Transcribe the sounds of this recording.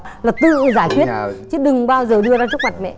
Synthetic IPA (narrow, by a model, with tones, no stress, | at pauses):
laː˨˩t̪ɨ̰˧˨zaː˧˩jkwi˦˥ətt͡ɕɨ˨˦ɗɨ˨˩ŋɓaː˧wzəː˨˩ɗɨ˧əzaː˧t͡ɕk̚ma˨˩t̚mɛ̰˧˨